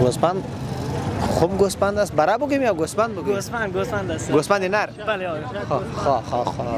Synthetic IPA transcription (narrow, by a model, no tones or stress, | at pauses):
ɡospand̪ | χobɡospand̪as̚baɾabuɡimijawɡospand̪buɡispand̪ɡospand̪asɡospand̪inaɾbalexɔxɔxɔxɔ